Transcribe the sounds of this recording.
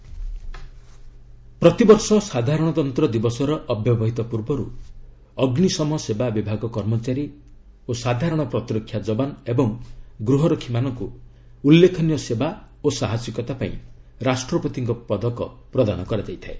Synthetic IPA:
pɾɔt̪ibɔɾsɔsad̪ʱaɾɔɽ̃ɔt̪ɔnt̪ɾɔd̪ibɔsɔɾɔʔːbʱjɔbɔɦit̪ɔpuɾbɔɾṵ | ɔɡnisɔmɔsebabibʱaɡɔkɔɾmɔt͡ʃaɾi | osad̪ʱaɾɔɽ̃ɔpɾɔt̪iɾɔkʰːjad͡ʒɔbanebɔŋɡɾuɦɔɾɔkʰimanɔŋku | ulːekʰɔnijɔseba | osaɦasjikɔt̪apa̰ḭ̃ɾasʈɾɔpɔt̪iŋkɔpɔd̪ɔkɔ̰pɾɔd̪añɔkɔɾad͡ʒajt̪ʰae

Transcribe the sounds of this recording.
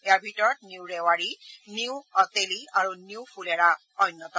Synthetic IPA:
ejaɹbʱitɔɹɔt̚niwɹɛwaɹiniwɔteliaɹuniwfʰulɛɹa | ɔjnːɔtɔ

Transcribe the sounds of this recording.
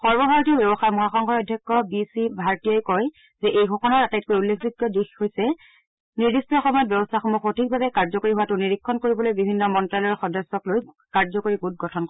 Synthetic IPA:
xɔɹbɔbʱaɹɔtiɔbjɔbɔxaɹmɔɦaxɔŋkʰɔɹɔjdʱjɔkːɔbisibʱaɹtijɔjkɔj | zɛʔejɡʱɔkɔnɔɹatajtkojulːekʰbiɡɔdixhojsɛ | niɹdistɔxɔmɔjɔt̚bjɔbɔstʰaxɔmɔxotʰik̚babɛkaɹzɔkoɹiɦuwatʊniɹikʰːɔnkoɹibɔlojbibʱinːɔmɔntɹalɔɹxɔdɔsːɔkloj | kaɹzɔkoɹiɡut̚ɡɔtʰɔnk

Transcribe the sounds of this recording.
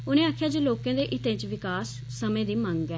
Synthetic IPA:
ʊnẽːaːkʰjaːd͡ʒeːloːkẽãːd̪eːʔɪt̪ẽːt͡ʃʋɪkaːsːəmẽːd̪iːmə̃ŋɡɛː

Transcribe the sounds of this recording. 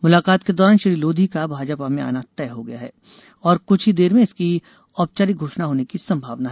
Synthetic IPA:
mʊlaːkaːt̪ked̪ɔːɾaːnʃɐɾiːloːd̪ʱikabʱaːd͡ʒpamẽa̰ːnat̪ɛːɦoɡɐjaɦɛː | ɔːɾkʊt͡ʃʰɦid̪eːɾmẽɪski | ɔːp̚t͡ʃaːɾiɡʱoːʃnaɦoːnekisɐ̃mbʱaːʋnaɦɛː

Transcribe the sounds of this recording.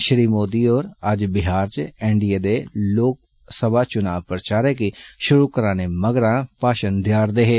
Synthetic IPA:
ʃəɾiːmoːd̪iːoːɾəd͡ʒbɪɦaːɾt͡ʃɛ̃ːɳɖijeːd̪eːloːk̚ | səbaːt͡ʃʊnaːʋpɾət͡ʃaːɾɛːkiʃʊɾuːkəɾaːneːməɡɾãːpaːʃənd̪jaːɾd̪eːɦeː

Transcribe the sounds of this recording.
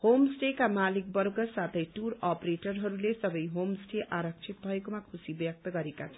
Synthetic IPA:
homsʈekamalik̚bʌrɡʌsat̪ʰʌjʈurʌpreʈʌrɦʌɾulesʌbʌjɦomsʈeʔaɾʌk̚t͡sʰit̪̚bʱʌekomakʰusibjʌk̚t̪ʌɡʌɾekat͡sʰʌ

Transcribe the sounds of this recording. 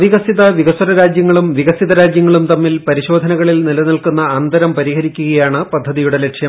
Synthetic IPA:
ʋiɣɐsiðɐʋiɣɐsɐɾɐɾaːd͡ʑjɐŋːɐɭumʋiɣɐsiðɐɾaːd͡ʑjɐŋːɐɭumt̪ɐmːilpɐɾiɕo̞ːd̪ʱɐnɐɣɐɭilnilɐnilkunːɐɐːnd̪ɐɾɐmpɐɾiɦɐɾikʲːuɣɐjaːɳɨpɐd̪ʱːɐðijuɽe̞le̞ʈʂjɐ

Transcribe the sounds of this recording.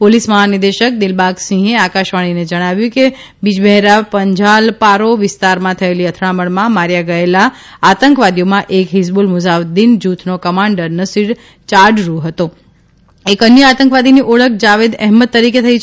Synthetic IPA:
polisməɦanɪd̪eʃək̚d̪ɪlbaɡsĩɦeakaʃʋaɽ̃ined͡ʒəɽ̃aʋjũke | bid͡ʒbɛɦeɾapəɲd͡ʒalpaɾoʋɪst̪aɾmãt̪ʰəeliət̪ʰɽaməɳmãmaɾjaɡəelaː | t̪əŋkʋad̪ijomãʔekɦisbulmuzaʋd̪ind͡ʒut̪ʰnokəmãɳɖəɾnəsiɾ | t͡ʃaɾɖɾuɦət̪o | ekənjəat̪əŋkʋad̪iniʔoɭək̚ʰd͡ʒaʋed̪ɛɦmət̪ːəɾiket̪ʰəit͡ʃʰ

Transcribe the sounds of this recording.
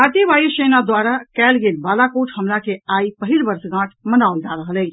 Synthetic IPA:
aʈ̪iʋajsenad̪waɾakɛːlɡelbalakoʈʰɦəmɾakeaipəɦilbəɾsɡãʈʰmənaʊld͡ʒaɾəɦəlɛt͡ʃʰ

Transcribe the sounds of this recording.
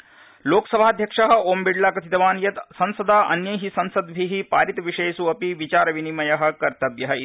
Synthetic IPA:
loːksɐbʱaːd̪ʱjɐkʂɐɦɐ̆oːmbiɖlaːkɐt̪ʰit̪ɐʋaːnjɐt̪sɐ̃nsɐd̪aːʔɐ̰njɐjɦisɐnsɐd̪bʱiɦipaːɾit̪ɐʋiʂeːsuɐpiʋit͡ʃaːɾɐʋinimɐjɐɦɐ̆kɐɾt̪ɐʋjɐɦɐ

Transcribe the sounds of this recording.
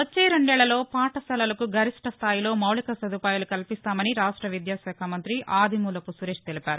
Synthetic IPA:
ʋot͡ʃːeːɾeɳɖɛːɭːɐlo̞ːpaːʈɐsɐlɐlɐkuɡʱɐɾiʂʈʰɐst̪ʰaːjilo̞ːmɐwɭikɐsɐd̪upaːjulukɐlipist̪aːmɐniɾaːʂʈɾɐʋid̪jaːʃɛːkʰaːmɐnt̪ɾiʔaːd̪ʱimuːlɐpusuɾeːʂt̪elipaːɾu

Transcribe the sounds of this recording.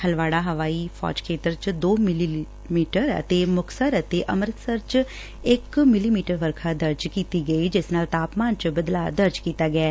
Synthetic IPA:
hʰəlʋaːɽaːɦəʋaːiːpʰɔ̰ːd͡ʒkʰeːt̪əɾt͡ʃd̪oːmɪli | miːʈəɾə̰t̪eːmʊkʰsəɾət̪eːʔəmɾət̪səɾt͡ʃ | ɪkmɪliːmiːʈəɾʋəɾkʰaːd̪əɾd͡ʒkiːt̪iːɡəiːd͡ʒɪsnaːlt̪aːpmaːnt͡ʃbəd̪la̰ːd̪əɾd͡ʒkiːt̪aːɡɪɛː

